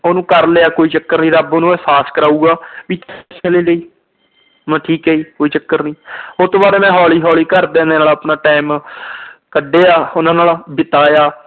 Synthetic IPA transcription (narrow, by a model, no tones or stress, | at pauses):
oːnũːkəɾleːaːkoːiːt͡ʃəkːəɾnĩːɾəboːnũːɛːsaːskəɾaːuːɡaːʋiːt̪t͡ʃʰəlẽːleiː | mɛ̃ːʈʰiːkɦeːiːkoːiːt͡ʃəkːəɾnĩːot̪õːbaːɾeːmɛ̃ːɦɔːliːɦɔːliːkəɾd̪ẽːnd̪eːaːlaːpnaːʈaːɪm | kəɖːeːaːʊnãːnaːlabɪt̪aːjaː